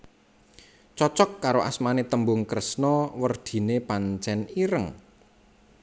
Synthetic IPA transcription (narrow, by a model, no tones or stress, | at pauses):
t͡ʃɔt͡ʃɔkːaɾoʔa̰smanet̪əmbʊŋkɾəsnɔwərd̪̥i̤nepaɲt͡ʃɛniɾəŋ